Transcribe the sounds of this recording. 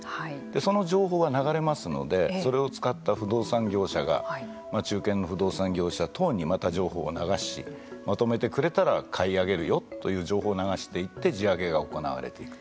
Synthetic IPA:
haid̪̥e̞so̞no̞ʑo̞ːɦo̞ːβanaɡaɾe̞masɨno̞̰d̪e̞sso̞ɾe̞o̞t͡sɨ̥kat̪ːaɸɯ̟d̪o̞ːsãŋɡʲo̞ːɕaɡa̰ | mat͡ɕɨːkẽ̞nːo̞ɸɯ̟d̪o̞ːsãŋɡʲo̞ːɕat̪ʰo̞ːɲ̟imat̪aʑo̞ːho̞̰ːnaɡaɕḭ | mat̪o̞me̞t̪e̞kɯ̟ɾe̞t̪aɾakʰaiaɡe̞ɾɯ̟jo̞t̪ːo̞jɯ̟ːʑo̞ːɦo̞ːnaɡaɕi̥t̪e̞it̪ːe̞d͡ʑiaɡe̞ɡao̞ko̞na̰βa̰ɾe̞̰t̪e̞ikɯ̟̥

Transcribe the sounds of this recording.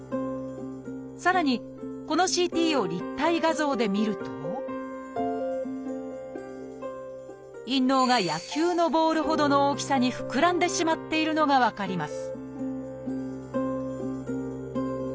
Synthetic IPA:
saɾaɲ̟i | ko̞no̞ɕiːt̪ʲiːo̞ɾʲit̪ːaiɡazo̞ːd̪e̞mʲiɾɯ̟t̪o̞ | ĩnːo̞ːɡajakʲɨːno̞bo̞ːɾɯ̟ɦo̞d̪o̞no̞oːkʲi̥saɲ̟iɸɯ̟̥kɯ̟ɾãnd̪e̞ɕimat̪ːe̞iɾɯ̟no̞ɡaβakaɾʲimasɨ̥

